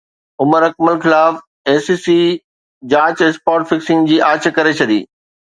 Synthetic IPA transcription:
ʊməɾɐkməlxɪlaːf | eːsiːsi | d͡ʑaːt͡ɕɪspaːʈfɪksɪ̃ŋɡd͡ʑiːʔaːt͡ɕkɐɾet͡ɕʰɐd̪ḭː

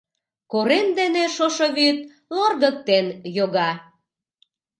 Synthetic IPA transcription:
koɾend̪eneʃoʃoβyt̪̚ | lərɣək̚t̪enjoɣɑ

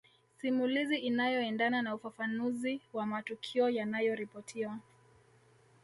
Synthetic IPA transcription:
simuliziʔinajɔɛndananaufafanuziwamatukʰiɔjanajɔɾipɔtʰiwa

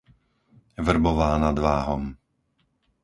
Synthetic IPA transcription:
ʋr̩bɔʋaːnad̪ʋaːɦɔm

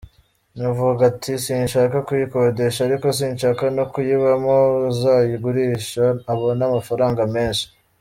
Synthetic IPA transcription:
nuvuɡɡatʰisiːnʃakakujikode̞ʃaːɾiko̞s̬iːnʃakanokujiβamozaːjiɡuɾiːʃaːβo̞namafaɾaːŋɡame̞ːnʃi̥

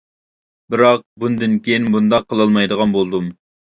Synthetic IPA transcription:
bɪɾɑq̚bund̪ɨnkʲejinbund̪ɑqʰːəlˠɑlˠmɑjd̪əʁɑnbolˠd̪um

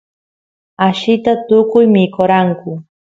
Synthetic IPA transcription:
aʃɪt̪at̪ʊkʊjmɪkoɾaŋkʊ

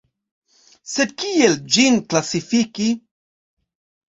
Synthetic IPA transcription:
se̞dkield͡ʒinklasifiki

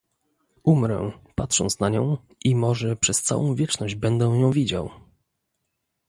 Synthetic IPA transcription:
umɾɛ̰pat̪ʂɔ̰nt̪snaɲɔ̰̃w̃ | ʔimɔʐɛpʂɛst̪sa̰wɔ̰̃w̃vʲjɛt͡ʂnɔʑd͡ʑbɛnd̪ɛw̃jɔ̃w̃vʲid͡ʑa̰w

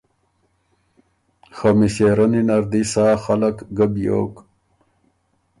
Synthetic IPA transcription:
xamiɕeːɾɐninɐɾd̪isaːxalakɡəbjo̰ːk

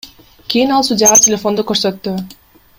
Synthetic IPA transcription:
kʰʲijinɑlˠsud̪ʲjɑʁɑtʲelʲefo̞nd̪ukøɾsø̞t̪ːy

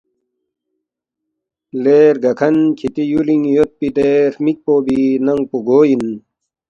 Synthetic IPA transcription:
leːɾɡɐkʰɐnkʰit̪ijuliŋjot̪̚pit̪eːɾmik̚poːbinɐŋɡ̚puɡoːjin

